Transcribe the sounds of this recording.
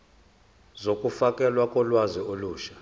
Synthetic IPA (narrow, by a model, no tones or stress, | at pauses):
zokʼufakʼɛlwakʼɔlwazioluːʃḁ